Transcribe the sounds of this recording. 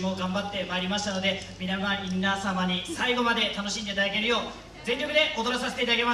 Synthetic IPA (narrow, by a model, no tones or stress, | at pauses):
mo̞ɡãmbat̪ːe̞maeɾʲimaɕi̥t̪ano̞d̪e̞mʲinamãinasamaɲ̟isaiɡo̞mad̪e̞t̪ano̞ɕĩnd̪e̞it̪ad̪ake̞ɾɯ̟jo̞ː | zẽ̞ɲʲɾobɯ̟d̪e̞ʔot̪osase̞t̪e̞it̪ad̪aɡema